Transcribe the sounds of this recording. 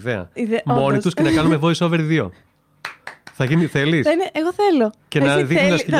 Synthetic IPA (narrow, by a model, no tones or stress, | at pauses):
ðeɐ̰immo̞nit̪uscenɐkɐnumevoiso̞ve̞ɾðio̞̰ | θɐʝiniθelisneɣoθeloce̞nɐðiksðɐs